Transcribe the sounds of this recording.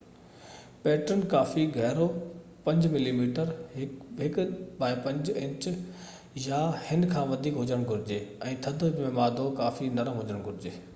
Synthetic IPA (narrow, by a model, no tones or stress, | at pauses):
pɛːʈənkaːfiɡʱɛɦɾo | pɐ̃ɲd͡ʑmɪlimiːʈəɾɦɪɦɪkbaːɪpɐ̃ɲd͡ʑɪ̃ɲt͡ɕ | jaːhɪnkʰãːʋɐd̪ʱiːkɦʊd͡ʑəɽ̃ɡʱʊɾɪd͡ʑeːɛ̃ːt̪ʰɐd̪ʱəmẽmaːd̪okaːfinɐɾəmɦʊd͡ʑəɽ̃ɡʱʊɾɪd͡ʑeː